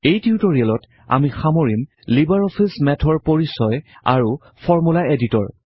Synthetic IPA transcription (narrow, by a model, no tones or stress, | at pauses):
ejtʰiutoɹiɛlɔt | a̰mixamoɹim | libaɹɔpʰismɛtʰɔɹpoɹisɔja̰ɹu | fʰɔɹmulaeditɔ̰ɹ